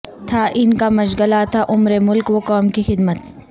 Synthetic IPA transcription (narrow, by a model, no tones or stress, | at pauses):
t̪ʰaʔɪnkamɐd͡ʒɡɐlat̪ʰaʔʊmɾemʊlkwokaːmkixɪd̪mət̪